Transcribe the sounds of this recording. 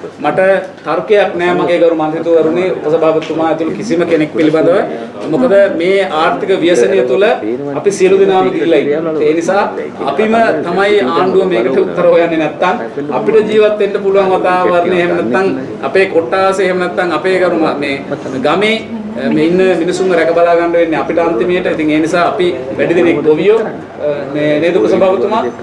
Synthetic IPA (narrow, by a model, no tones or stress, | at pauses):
maʈət̪aɾukejaknɛːmaɡeːɡaɾumant̪it̪uʋɐɾuneupəsəbʱaːʋət̪umaːet̪ulukisiməkenek̚piliband̪əʋə | mukəd̪əmeːaːɾt̪ʰikəʋijəsənijət̪ulə | apisijəlud̪inaːməd̪iːlaitːeːnisaː | a̰pimət̪amajaːɳɖuʋəmeːkəʈeut̪ːəɾəɦojanːenɛt̪ːaŋ | ɐpiʈəd͡ʒiːʋat̪ːenɖəpuluʋaŋʋɐt̪aːʋɐrneeɦemənɛt̪ːaŋ | ɐ̰peːkoʈːaːʋseeɦemənɛt̪ːaŋɐpeːkɐɾumameː | ɡameː | meinːəminisuŋɾɛkɐbɐlaːɡaɳɖəʋenːeɐpiʈəant̪imejʈəit̪iŋeːnisaːɐpiʋɛɖid̪enekboʋijo | meːneːt̪ulɐsɐmbʱaːʋɐt̪uma